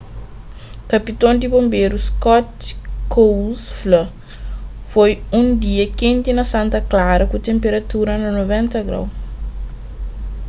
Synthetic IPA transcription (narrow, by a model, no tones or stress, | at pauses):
kɐpit̪õnd̪ibõmbeɾuskɔt̪kowsflɐ | fojũnd̪iɐkẽnt̪inɐsɐ̃nt̪ɐklaɾɐkut̪ẽmpeɾɐt̪uɾɐnɐnovɛ̃nt̪ɐɡɾa̰w